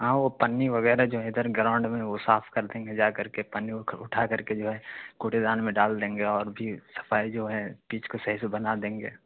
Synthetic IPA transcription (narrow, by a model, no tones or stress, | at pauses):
ɦãːʋopɐnːiʋɐɣɛːɾad͡ʒoːɦɛɪd̪əɾɡɾãːʊ̃ɳɖmẽʋosaːpʰkɐɾd̪ẽːŋɡed͡ʒaːkɐɾkepɐnːiʊʈʰakɐɾked͡ʒoːɦɛkuʈed̪aːnmẽɖaːld̪ẽːŋɡeɔːɾbʱisɐ̥fʰaːid͡ʒoːɦɛ̃piːt͡ʃkosɐɦisebɐnad̪ẽːŋɡḛː